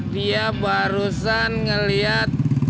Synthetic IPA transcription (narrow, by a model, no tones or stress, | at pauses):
diabaɾusanŋəliat̪̚